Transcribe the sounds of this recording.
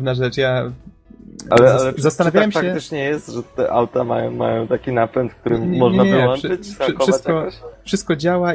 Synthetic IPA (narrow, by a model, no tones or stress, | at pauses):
vnaʐɛt͡ʂja | a̰lɛalɛzast̪anavʲawɛmɕfakɛɪt͡ʂɲɛjɛst̪ʐɛt̪ɛ̰ʔawt̪ama̰jɔ̃w̃ma̰jɔ̃w̃t̪akʲinapɛnt̪fk̚t̪uɾɘmːɔʐɲnaɨwɔnʂɘt͡ɕ̪kɔʂsat̪aɔfʂɨst̪̚kɔd͡ʑawa